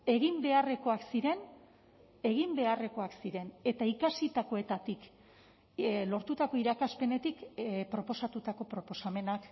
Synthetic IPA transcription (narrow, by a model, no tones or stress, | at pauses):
e̞ɣimbe̞are̞ko̞aksiɾe̞n | e̞ɣ̞imbe̞are̞ko̞aksiɾe̞ne̞t̪aikasit̪ako̞e̞t̪at̪ik | lo̞ɾt̪ut̪ako̞iɾakaspe̞ne̞t̪ikpɾo̞po̞sat̪ut̪ako̞pɾo̞po̞same̞nak